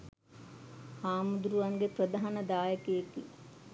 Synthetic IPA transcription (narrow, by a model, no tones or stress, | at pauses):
haːmud̪ɾuʋɐŋɡepɾɐd̪aɦanɐd̪aːjəkejekḭ